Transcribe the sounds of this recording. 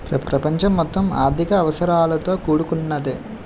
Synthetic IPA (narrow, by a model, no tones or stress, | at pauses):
pɾɐpɾɐpɐɲt͡ʃɐmːɔt̪ːɐma̰ːɾd̪ʱikɐːʋɐsɐɾaːlɐt̪o̞ːkuːɽukunːɐd̪e